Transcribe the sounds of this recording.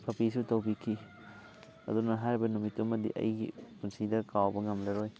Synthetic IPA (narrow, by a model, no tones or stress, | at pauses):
pʰɐpisutɐwbikʰi | ɐ̰dunɐɦaɾibɐnumitːumːɐdḭʔɐ̰jɡḭkɔnsidɐɾkawbɐŋɐmlɐɾoj